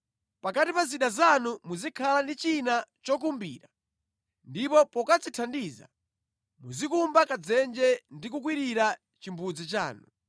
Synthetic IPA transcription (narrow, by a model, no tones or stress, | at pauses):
pakatipaziɗazanumuzikʰalandit͡ʃinat͡ʃɔk̬umbḭːɾa | ndipɔpɔkat͡sitʰandiza̰ | muzikumbakad͡zɛnd͡ʒɛndik̬uk̬wiɾiɾa | t͡ʃimbud͡zit͡ʃa̰ːnu